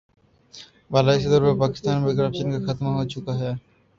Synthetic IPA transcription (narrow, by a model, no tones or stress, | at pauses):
baːlaɪs̬ed̪əɾpɐɾpaːkɪ̥st̪aːnbeɡɾɐpʃənkaxɐt̪maɦoːt͡ʃʊkaɦɛː